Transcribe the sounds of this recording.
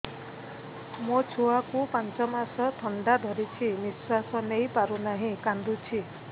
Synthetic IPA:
mot͡ʃʰuakupãnt͡ʃɔmasɔt̪ʰɔɳɖad̪ʱɔɾit͡ʃʰiniswasɔnejpaɾunaɦĩkand̪ut͡ʃʰi

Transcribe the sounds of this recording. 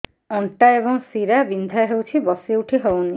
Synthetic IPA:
ɔɳʈaeboŋsiɾabind̪ʱaɦewt͡ɕʰibɔseuʈʰiɦɔoni

